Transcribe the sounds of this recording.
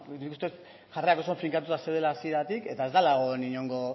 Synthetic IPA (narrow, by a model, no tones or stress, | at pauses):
nikust̪e̞t̪ | ʝareakos̬oɱfiŋkat̪̬ut̪asewðe̞laːsieɾat̪ike̞t̪ae̞zd̪alaɣo̞niɲo̞ŋɡo̞